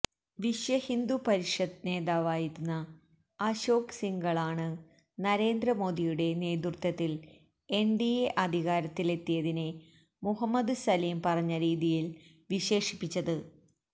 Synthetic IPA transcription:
ʋiʂjɐhind̪upɐɾiʂɐd̪ne̞ːðaːʋaːjiɾunːɐ | ɐɕo̞ːksiŋɡɐɭaːɳɨ | nɐɾe̞ːnd̪rɐmo̞ːd̪ijuɽe̞ne̞ːd̪urt̪ːɐt̪ːil | e̞ɳɖieʔɐd̪ʱiɣaːɾɐt̪ːile̞t̪ːijɐðine | muɦɐmːɐd̪ɨsɐliːmpɐrɐɲːɐɾiːðijil | ʋiɕe̞ːʂipːit͡ɕːɐðɨ

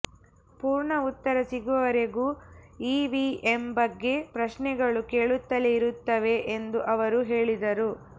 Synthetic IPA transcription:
puːɾɳɐut̪ːɐɾɐsiɡuʋɐɾeɡuːiːʋiembɐɡːe̞pɾɐʃɳɛɡɐɭuke̞ːɭut̪ːɐleiɾut̪ːɐʋe̞ʔend̪uʔɐʋɐɾuɦe̞ːɭid̪ɐɾu

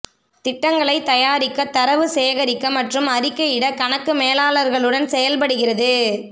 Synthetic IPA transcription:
t̪ɪʈːɐŋɡɐɭɐɪt̪ɐjaːɾɪkːɐt̪ːɐɾɐʋɯseːɣɐɾɪkːɐmɐʈrɯmɐɾɪkːɐɪɽɐkɐnɐkːɯmeːlaːlɐɾɣɐɭɯɽɐnsɛjɐlpɐɽɯɣɪrɐðɯ

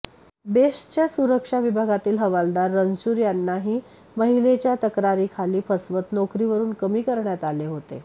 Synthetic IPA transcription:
beʂt͡ɕjasuɾəkʂaʋibʱaɡat̪iːlɦəʋald̪aɾːəŋɡt͡ɕuːɾjanːaɦiː | məɦilet͡ɕjat̪əkɾaɾiːkʰaliːpʰəsʋət̪nɔkɾiʋəɾuːnkəmiːkəɾɳjat̪aleɦot̪ḛ

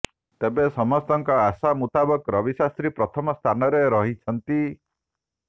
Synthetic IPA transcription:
t̪ebesɔmɔst̪ɔŋkɔasamut̪abɔkɾɔbisast̪ɾipɾɔt̪ʰɔmɔst̪ʰanɔɾeɾɔɦit͡ʃʰɔnt̪i

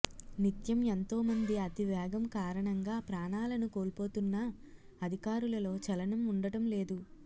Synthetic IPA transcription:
nit̪jɐment̪o̞ːmɐnd̪iɐt̪iʋjɛːɡɐmkaːɾɐɳɐŋɡaːpɾaːɳaːlɐnuko̞ːlpo̞ːt̪unːɐ | ɐd̪ʱikaːɾulɐlo̞ːt͡ʃɐlɐnɐmuɳɖɐʈɐmle̞ːd̪u

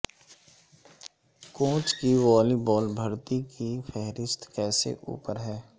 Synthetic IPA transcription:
kõːt͡ʃkiʋɔːliːbɔːlbʱɐɾt̪ikifʰɛɦɾɪst̪kɛːsḛʔṵːpəɾɦɛː

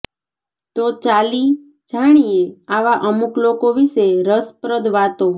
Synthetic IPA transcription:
t̪ot͡ʃali | d͡ʒaɽ̃ijeaʋaʔəmuklokoʋiʃeɾəspɾəd̪ʋat̪o

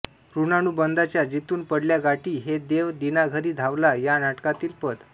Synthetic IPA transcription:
ɾunaɽ̃ubənd̪at͡ɕjad͡ʑit̪uːnpəɽljaɡaʈiːɦed̪eʋd̪inaɡʱəɾiːd̪ʱaʋlajanaʈkat̪iːlpəd̪

